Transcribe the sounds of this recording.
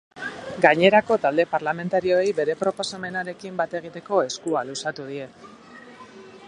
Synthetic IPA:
ɡaɲe̞ɾako̞t̪ald̪e̞paɾlame̞nt̪aɾio̞ejbe̞ɾe̞pɾo̞po̞same̞naɾe̞kimbat̪e̞ɣ̞it̪e̞ko̞e̞skualusat̪uð̞ie̞

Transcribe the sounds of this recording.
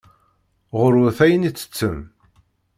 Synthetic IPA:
ʁʊɾʊθæjənit͡sːə̥t͡sːəm

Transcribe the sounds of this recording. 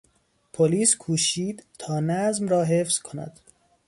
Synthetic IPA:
pʰoliːskʰuːʃiːd̪t̪ʰɒːnæzmɾɒːɦefz̥kʰonæ̰d̪̥

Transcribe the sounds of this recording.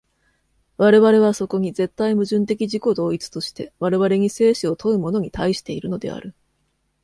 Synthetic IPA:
βaɾe̞βaɾe̞β̞aso̞ko̞ɲ̟ize̞t̪ːaimɯ̟ʑɨ̃nt̪̬e̞kʲiʑiko̞d̪o̞ːit͡sɨ̥t̪o̞ɕi̥t̪e̞βaɾe̞βaɾe̞ɲ̟ise̞ːɕio̞t̪ʰo̞ɯ̟mo̞no̞ɲ̟it̪aiɕi̥t̪e̞iɾɯ̟no̞d̪e̞̰a̰ɾɯ̟

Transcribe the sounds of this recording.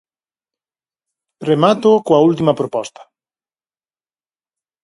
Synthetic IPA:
remat̪okoɐult̪imɐpɾopɔst̪ɐ̥

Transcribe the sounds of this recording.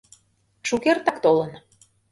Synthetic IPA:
ʃukert̪ɑkt̪olɤn

